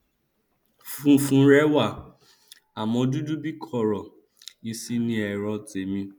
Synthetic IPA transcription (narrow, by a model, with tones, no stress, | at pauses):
fũ˦˨fũ˦ɾɛ˦wa˦˨ | a˨mɔ̃˧du˦du˦bi˦kʰɔ˦˨ɾɔ˨ | i˧si˦nĩ˦ɛ˨ɾɔ˧te˨˦mĩ˧